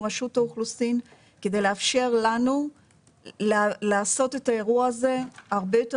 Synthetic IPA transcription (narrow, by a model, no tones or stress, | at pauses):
maʃutauχlusin | ke̞d̪ejleafʃe̞ʁlanu | llaːso̞te̞tae̞ʁuaːze̞aʁbejo̞te